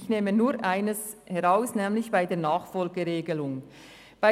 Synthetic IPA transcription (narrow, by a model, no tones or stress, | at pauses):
çneːmənuːɾʔaɪnəs | hɛʁaʊsnɛːmlɪçb̥aɪdeːɐnaːχfɔlɡəʁeːɡəlʊŋ | b̥a